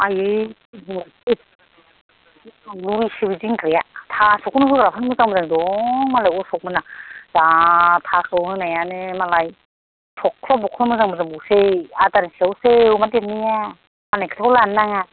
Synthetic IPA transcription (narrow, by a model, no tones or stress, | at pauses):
ajɯj | luɾisɯwiziŋkɾejat̪ʰasuknɯɦɯɡɾapʰanmɯzaŋmɯzaŋdɔŋmalajɔsɔk̚mɯnaz̥at̪ʰakʰɯwnɯnajanɯmalaj | tʰɔkʰːlɔbɔkʰlmɯzaŋmɯzaŋbusejat̪ansiawsewmadep̚nɯja | manajkʰɯ̥t̪ʰawlanːaŋa